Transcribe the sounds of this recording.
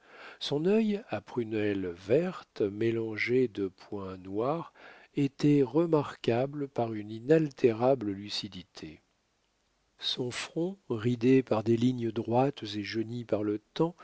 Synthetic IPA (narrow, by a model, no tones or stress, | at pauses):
sɔ̃nœjapχynɛlvɛʁt̪melɑ̃ʒed̪əpwɛ̃nwaʁ | et̪ɛʁəmaʁkabləpaʁyninalt̪ʰeʁabləlysid̪it̪ʰe | sɔ̃fχɔ̃ʁid̪epaʁd̪eliɲd̪ʁwat̪zeʒənipaʁlət̪ɑ̃